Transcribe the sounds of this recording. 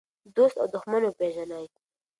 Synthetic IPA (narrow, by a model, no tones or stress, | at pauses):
d̪ost̪a̰wd̪ʊxmanopeʒanaj